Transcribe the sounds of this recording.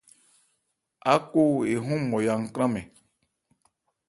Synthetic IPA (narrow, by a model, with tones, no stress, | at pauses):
a˦ko˦e˨ɦũ˦mɔ̃˨ja˨ŋ̩˨kɾ̃ã˦mɛ̃˨